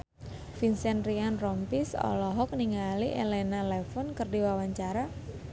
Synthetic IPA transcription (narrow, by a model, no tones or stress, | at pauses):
finsɛnrianrɔmpisɔ̰lɔɦɔk̚niŋaliʔelɛnalɛfɔnkərdiwawaɲt͡ʃaɾa